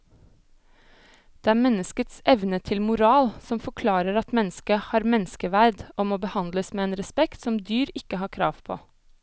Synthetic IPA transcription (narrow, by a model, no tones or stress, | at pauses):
d̪̥eːæːɾmɛnəskət̪sʔɛʋnət̪ʰɪlmʊɾɑːlsɔmfɔkʰlɑːɾəɾɑt̪mɛnskəhɑːɾmɛnskəʋæɾd̪oːmoːbəhɑnd̪ləsmeːeːnɾɛspɛkt̪sɔmd̪yːɾɪkəhɑːkʰɾɑ̰ːʋpʰo̰ː